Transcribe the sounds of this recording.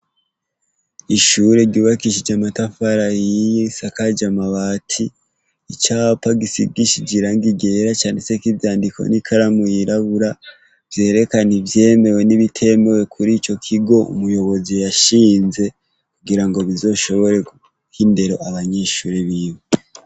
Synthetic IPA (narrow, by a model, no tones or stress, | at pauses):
iʃuɾeɾɟuːβakiʃid͡ʒamatafaɾajisakad͡ʒamaβaːtʰiː | t͡ʃapaɡisḭɡiʃid͡ʒiɾaŋɡiɡe̞ɾat͡ʃaːnesekivjaːndiko̞̰nikʰaɾamujiɾaβuɾa | v̥je̞ːɾe̞kanivje̞ːme̞we̞niβitʰe̞mewe̞kʰuɾiːt͡ʃo̞kʰiɡo̞ṵmujo̞βo̞zijaʃiːnze̞ | kuɡiɾaŋɡo̞βizo̞ʃo̞βo̞ɾe̞ɡu | hinde̞ɾo̞ʔaβaɲeːʃuːɾe̞βiːwe